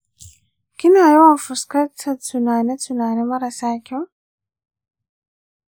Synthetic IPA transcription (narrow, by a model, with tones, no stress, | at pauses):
ki˦na˨jo˦wa˦fuskɐ˦t͡sʰat͡sunaː˨ne˦t͡sunaː˨ne˦mɐ˦ɾa˨sa˦kʲʰo˦